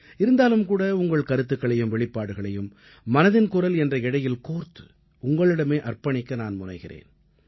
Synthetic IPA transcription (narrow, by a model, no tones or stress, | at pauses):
ɪɾɯnd̪aːlɯmkuːɽɐʊŋɡɐɭkɐɾɯt̪ːɯkːɐɭɐjɯmʋɛɭɪpːaːɽɯɣɐɭɐjɯmː | ɐnɐðɪnkʊrɐlɛndrɐɪɽɐjɪlkoːɾt̪ɯ̥ | ʊŋɡɐɭɪɽɐmeːʔɐrpɐɳɪkːɐnaːnmʊnɐ̰ɪɣɪrḛːn